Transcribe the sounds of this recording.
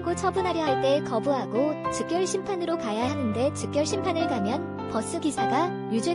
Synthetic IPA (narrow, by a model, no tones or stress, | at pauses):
ɡot͡ɕʰʌbunɦaɾjʌɦaɭt͈e̞ːkʌbuɦaɡot͡ɕɯk̚k͈jʌɭɕʰimpʰanɯɾokajaɦanɯnde̞t͡ɕɯk͈̚jʌɭɕʰimpʰanɯɭkamjʌn | pʌs͈ʰɯɡisʰaɡa | jud͡ʑe